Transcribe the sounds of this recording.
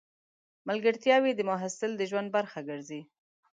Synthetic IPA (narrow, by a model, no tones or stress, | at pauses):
malɡəɾt̪jɑwid̪əmʊɦasɪld̪əʒwand̪̚baɾxaɡəɾzi